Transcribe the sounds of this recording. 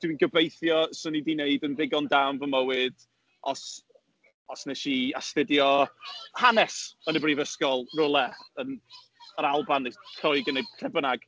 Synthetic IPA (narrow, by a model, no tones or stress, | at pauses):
d̥winɡəbejθjɔsʊnidineɨdənðɪɡɔndawnvəməwɨd̥ | ɔs | ɔsnɛʃiastɪdjɔhanɛsənəbriːvəskɔlˠrʊlˠɛən | əɾalˠbanetʰɔɨɡəneɨd̚tʰrɛbənaɡ̥